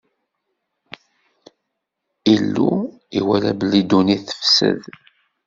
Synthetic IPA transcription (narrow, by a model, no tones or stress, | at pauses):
ilːu | iwælæbəlid̪uniθə̥fsə̰ð